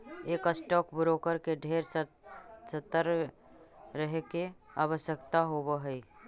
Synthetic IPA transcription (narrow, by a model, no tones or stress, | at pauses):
eːkəsʈɔːkbʊɾokəɾkeɖʱeːɾsə | sət̪ːəɾ | ɾəɦekea̰ːβəsjəkt̪aɦobəɦəi